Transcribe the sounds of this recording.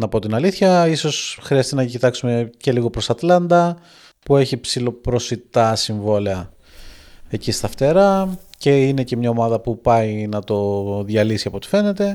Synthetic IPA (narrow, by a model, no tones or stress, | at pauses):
nɐpo̞t̪inɐliθçɐiso̞sxɾiɐst̪inɐcit̪ɐksume̞ce̞liɣo̞pɾo̞sɐt̪lɐnd̪ɐ | pue̞çipsilo̞pɾo̞sit̪ɐsiɱvo̞leɐ | ecist̪ɐft̪e̞ɾɐce̞ine̞ce̞mɲɐomɐðɐpupɐjinɐt̪o̞ðʝɐlisiɐpo̞t̪i̥fe̞ne̞t̪e̞